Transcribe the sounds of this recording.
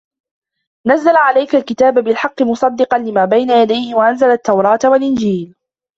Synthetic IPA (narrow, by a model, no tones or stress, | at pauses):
nazːalaʕalajkalkɪt̪aːbabɪlħɑqːɨmʊsˤɑd̪ːɨqɑnlɪmaːbajnajad̪ajhɪwaʔanzalat̪ːawɾˤɑːt̪walʔɪnd͡ʒiːl